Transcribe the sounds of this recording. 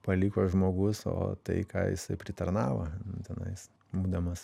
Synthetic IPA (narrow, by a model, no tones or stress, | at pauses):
pɐlʲɪkoːʒmoːɡʊso̰ːt̪ɐ̰ɪkɑ̰ːjɪ̰sɐɪpʲɾʲɪt̪ɐɾnɑːʋɐ̰nʊt̪ʲɛnɐ̰ɪs | buːd̪ɐmɐs